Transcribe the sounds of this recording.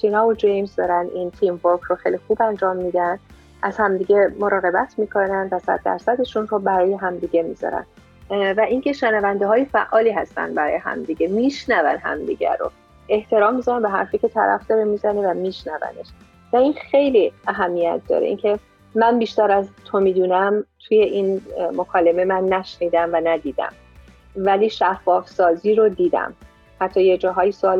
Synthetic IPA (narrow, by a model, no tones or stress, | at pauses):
t͡ʃʰinɒːod͡ʒejmzd̪ɒːɾænd̪ʔint̪ʰiːmvoɾkʰroxejlixuːbænd͡ʒɒːmːiːd̪ænd̪ | ʔæz̥hæmd̪iːɟemoɾɒːɣe̞bæt̪ʰmiːkʰo̞nænd̪væsæ̰d̪̥̚ːæ̰ɾsæd̪eʃunrobæɾɒːjeɦæmd̪iɟe̞miz̥ɒ̰ɾæ̰n | væʔiŋcʰe̞ʃænævænd̪eɦɒːjefæʔɒːliːɦæst̪æ̰nd̪bæɾɒ̰ːjeɦæ̰md̪iɟemiʃnævæ̰nɦæ̰md̪ḭɟæ̰ɾo̰ | e̞ht̪ʰe̞ɾɒːmːizænæmbeɦæ̰ɾfiːcʰe̞t̪ʰæ̰ɾæ̰fd̪̥ɒːɾe̞mizæne̞væmiːʃnævæ̰ne̞̰ʃ | væinxe̞jliæɦæmːijæ̰t̪̚ʰd̪ɒ̰ːɾḛḭncʰe̞ | mænbiːʃt̪æɾæzt̪ʰomiːd̪uːnæmt̪ʰuje̞ʔinmokʰɒːleme̞mænːæʃniːd̪æmvænæd̪iːd̪æ̰m | væliːʃæfːɒːfsɒːziːɾod̪iːd̪æ̰m | hæt̪ʰːɒːjed͡ʒɒːɦɒːjisoɒːl